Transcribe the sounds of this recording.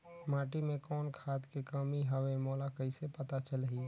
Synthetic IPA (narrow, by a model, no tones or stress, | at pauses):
maːʈimẽkɔːnkʰaːt̪kekəmiɦəwemɔːlakəisepət̪at͡ʃəlɦiː